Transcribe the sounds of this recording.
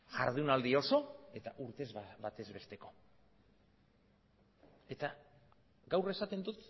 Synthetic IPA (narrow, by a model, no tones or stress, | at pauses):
ʝa̰ɾðunald̪io̞so̞e̞t̪aʔuɾt̪e̞zβat̪e̞zβe̞st̪e̞ko̞ | e̞t̪a | ɡawre̞sat̪end̪ut̪